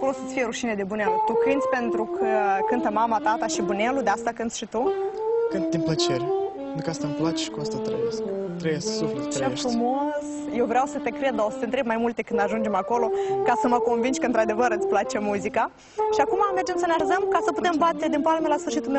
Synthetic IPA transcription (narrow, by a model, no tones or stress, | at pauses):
ako̞losət̪sʲfijeɾuʃine̞d̪e̞bunelut̪ukɨnd̪sʲpe̞nt̪ɾukʰəkɨnt̪əmamat̪at̪aʃibunelud̪east̪akɨnt̪sʲʃit̪ukɨnt̪d̪inplət͡ʃe̞ɾepeenɾukəast̪amplat͡ʃeʃi̥kuast̪at̪ɾəbeskt̪ɾebjesə̥sufɾeeʃffɾumo̞s | jewvɾeawsət̪e̞kɾe̞d̪̚d̪aosə̥t̪ent̪ɾe̞b̚majmult̪e̞kɨnd̪aʒund͡ʒe̞mako̞lo̞kasəməko̞nvind͡ʒʲkəɨnt̪ɾad̪e̞vəɾɨt̪sʲplat͡ʃe̞muzika | ʃiakumame̞rd͡ʒe̞msəneazəmkasəput̪e̞mbat̪e̞d̪inpalmelasfɨrʃit̪ulme